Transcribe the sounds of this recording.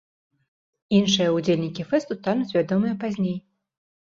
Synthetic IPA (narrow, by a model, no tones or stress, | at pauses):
inʂɨjɐud͡zʲelʲnʲikʲifɛst̪ut̪anuzʲvʲad̪ɔmɨjɛpazʲnʲej